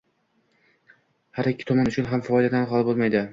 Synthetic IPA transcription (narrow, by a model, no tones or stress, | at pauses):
haɾɪkʲːɪ̥t̪ʰɒmanʊt͡ʃʰʊnɦamfɒɒjlad̪anqɒlˠbolˠmajd̪ɪ